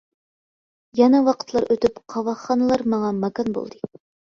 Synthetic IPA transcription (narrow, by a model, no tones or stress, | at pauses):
jɑnɑwɑqə̥t̪ʰlˠɑɾʔøt̪ypqʰɑwɑχːɑnɨlˠɑɾmɑŋɑmɑkɑnbo̰lˠd̪ɨ